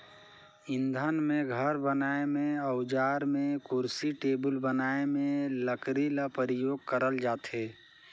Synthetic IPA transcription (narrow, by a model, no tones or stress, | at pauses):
ɪ̃nd̪ʱənmẽɡʱəɾbənaːemẽəʊd͡ʒaːɾmẽkʊɾsiʈeːbəlbənaːemẽləkɾilapəɾɪjoːɡ̚kəɾəld͡ʒaːt̪eː